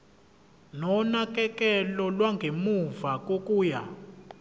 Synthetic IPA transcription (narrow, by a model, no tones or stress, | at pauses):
nɔnak̬ʼɛkʼɛlɔlwaŋɡʱemuvak̬ʼokʼuːja̰